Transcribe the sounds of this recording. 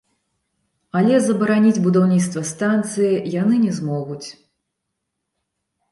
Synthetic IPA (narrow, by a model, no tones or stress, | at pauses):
ɐlʲɛzɐbɐɾanʲid͡zʲbud̪awnʲit̪st̪vɐst̪ant̪sɨjijanɨnʲɛzmɔɣut͡sʲ